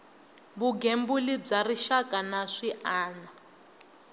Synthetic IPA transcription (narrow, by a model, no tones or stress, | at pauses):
buɡembulib͡ʐariʃakʼanaʂiʔaːna